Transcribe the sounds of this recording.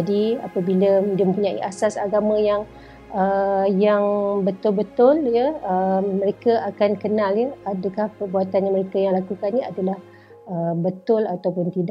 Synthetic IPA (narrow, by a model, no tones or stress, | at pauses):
d͡ʒadiapabilədiəmə̃mpuɲaḭʔasasaɡamə̃jaŋ | əjaŋbət̪ʊlbət̪ʊljəəmːə̃ɾekaʔakankənãljəadəkahpərbuat̪anɲaməɾekajaŋlakukanɲiadalah | əbət̪ʊlat̪awpʊnt̪ida